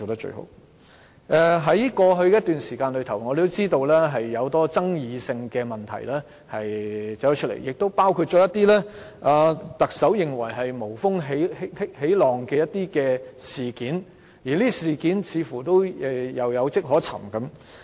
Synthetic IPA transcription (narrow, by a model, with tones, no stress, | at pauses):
o˨wt̪ɐ˥t͡ʃɵ̰˧ho̰˧˥w | ʔɛ˧ɦɐ˨˥jkɔː˧ɦɵ˧ɥjɛ˦jɐ˥t̪yː˨nsiː˨˩kaː˧nlɵ˨˧ɥt̪ʰɐ˨˩wŋɔː˨˧ɾe˨˩t̪o˥wt͡siː˥t̪o˧wlɛː˥ɦɐ˨jːɐ˨˧wt̪ɔː˥t͡sɐ˥ŋjiː˨˧sɪ˧ŋkɛː˧mɐ˨˩nt̪ʰɐ̰˨˩jlɛː˥ | hɐ˨jt͡sɐ˨˥t̪ɐ˥t͡ʃʰɵ˥lḛ˨˩jɪ˨k̚t̪o˥wpaː˥wkʰu˧t̚t͡ʃɔː˨˥jɐ˥t̪iː˥lɛː˥ʔaː˨˧t̪ɐ˨k̚sɐ˨˥wjɪ˨ŋwɐ˨˩jɦɐ˨jmo˨˩wfʊ˥ŋɦe˨˥jhhe˨˥jlɔː˨˩ŋkɛː˧jɐ˥t̪iː˥kɛː˧siː˨kiː˨˥n | jiː˨˩liː˥siː˨kiː˨˥nt͡sʰiː˨˥fuː˨˩t̪o˥wɛ˧jɐ˨˧wjɐ˨˧wt͡sɪ˥k̚ɦɔː˨˥t͡sʰɐ̰˨˩mkɐ˨˥m